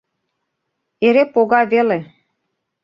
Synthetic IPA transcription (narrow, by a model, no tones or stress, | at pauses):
eɾepoɣɑβele